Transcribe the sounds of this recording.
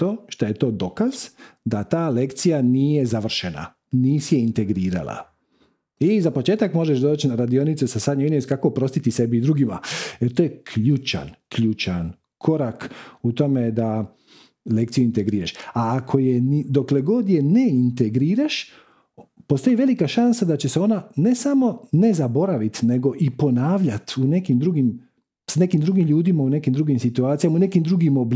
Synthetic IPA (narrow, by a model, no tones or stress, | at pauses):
t̪oːʃt̪aje̞t̪o̞ːd̪o̞kaz̥d̪at̪aːle̞kt̪sijaniːje̞zaʋr̩ʃena̰ | niːsijeint̪e̞ɡɾiːɾa̰la̰ | izapo̞t͡ʃe̞ːt̪akmo̞ʒeʃd̪o̞ːt͡ɕnaɾad̪io̞nit̪susasad̪ɲoinioskakoːpɾo̞st̪it̪ise̞biːd̪ɾuɡimaeɾt̪oːjekʰʎuːt͡ʃa̰nkʎuːt͡ʃan | kʰo̞ɾakut̪o̞med̪a | lekt̪sijuint̪eɡɾiːɾaʃaːkʰo̞jenid̪o̞kle̞ɡo̞d̪je̞neint̪eɡɾiːɾaʃ | po̞st̪o̞jiʋe̞likaʃansad̪at͡ɕe̞seo̞nane̞samo̞ne̞zabo̞ɾaʋit̪ne̞ɡo̞ʔipo̞naːʋʎat̪une̞kimd̪ɾuɡim | sane̞kimd̪ɾuɡimʎuːd̪imaune̞kimd̪ɾuɡimsit̪uaːt̪sijamaune̞kimd̪ɾuɡimob